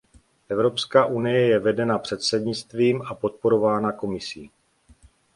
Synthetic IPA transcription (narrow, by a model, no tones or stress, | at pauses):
ʔɛvɾo̞pskaːʔunɪjɛjɛvɛdɛnapr̝̥ɛt̪sɛdɲɪt͡st̪viːmʔapo̞t̪̚po̞ɾo̞vaːnako̞mɪsḭː